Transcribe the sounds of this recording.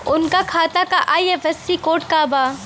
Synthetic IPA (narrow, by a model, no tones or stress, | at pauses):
ʊnkakʰaːt̪akaʔaːjeʋɐst̪ikoːʈkaːbaː